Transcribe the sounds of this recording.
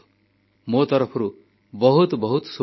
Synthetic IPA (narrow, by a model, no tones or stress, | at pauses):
mot̪ʌɾʌpʰʌɾu | bʌɦut̪bʌɦut̪su